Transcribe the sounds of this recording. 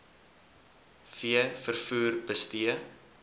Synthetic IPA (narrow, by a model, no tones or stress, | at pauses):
fiəfərfuːrbəstiə